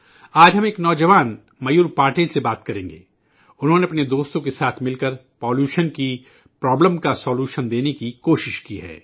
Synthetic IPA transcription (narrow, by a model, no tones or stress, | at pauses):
aːd͡ʒɦɐmeːknɔːd͡ʒəʋaːn | mɐjuːɾpaːɾʈeːlsebaːt̪kɐɾẽːŋɡḛː | ʊnɦõːneɐpned̪oːst̪õkesaːt̪ʰmɪlkɐɾpɔːljuːʃənki | pɾɔːbləmkasɔːljuːʃənd̪eːnekikoːʃɪʃkiɦɛ̰ː